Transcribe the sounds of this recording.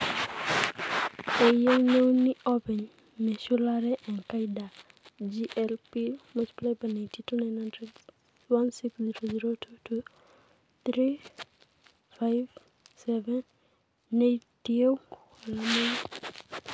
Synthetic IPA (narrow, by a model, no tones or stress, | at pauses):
ejenewniʔɔpɛɲ | mɛʃulaɾɛʔɛnkajda | d͡ʒiʔɛlpimot͡ʃi̥plebanatitunajnhandɾɛd | wansiksziɾoziɾotʰutʰu | t̪ɾi | fajv | sɛvɛnː | etiew | alamen